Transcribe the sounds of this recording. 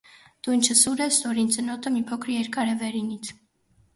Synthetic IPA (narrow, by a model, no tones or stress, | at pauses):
d̪̥ujnt͡ʃʰəsuɾɛst̪ɔɾint͡sənɔt̪əmipʰɔkʰəɾjɛɾkɑɾɛvɛɾinit͡sʰ